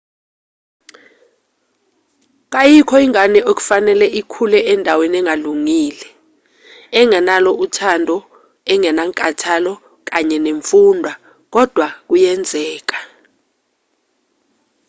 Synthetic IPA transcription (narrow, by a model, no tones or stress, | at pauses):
k̬ajikʰɔiŋanɛok̬u̥fanɛlɛʔikʰulɛʔɛndʱawenɛŋaluŋiːlɛ | ɛŋɛnalɔutʰandʱɔ | ɛŋɛnaŋkʼatʰalɔ | k̬aɲɛneɱfundʱwa | k̬ɔd̥ʱwak̬ujɛnd͡zʱɛːk̬ḁ